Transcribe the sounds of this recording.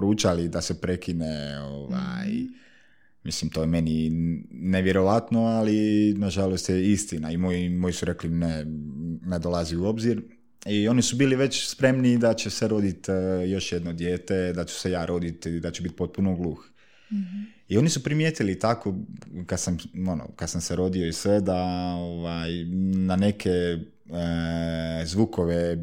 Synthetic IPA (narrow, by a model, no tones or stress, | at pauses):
pɾuːt͡ʃalid̪ase̞pɾe̞kineo̰ʋa̰j | mislimt̪o̞jeme̞ni | ne̞ʋje̞ɾo̞ʋat̪no̞alinaʒalost̪jeist̪inaimojimo̞jisuɾe̞klinened̪o̞lˠaziuo̞bziɾ | io̞nisubiːliʋe̞t͡ɕspɾe̞mnid̪at͡ɕesʋeɾo̞d̪it̪jo̞ʃje̞d̪nod̪je̞ːt̪e̞d̪at͡ʃu̥sʋejaːɾʔo̞d̪it̪eʎd̪at͡ɕebit̪̚po̞t̪̚punoɡlˠuːx | io̞nisupɾimjeːt̪ilit̪akokad̪samo̞no̰kad̪samseɾo̞d̪ioisʋe̞d̪aoʋajnane̞kʰe | zʋukoʋe